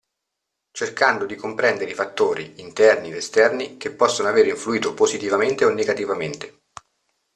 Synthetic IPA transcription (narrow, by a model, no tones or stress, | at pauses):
t͡ʃerkand̪od̪ikompɾɛnd̪eɾeifat̪ːoːɾḭːnt̪ɛrniest̪ɛrnikepːɔsːonoaveːɾeiɱfluiːt̪opozit̪ivament̪eonːeɡat̪ivament̪e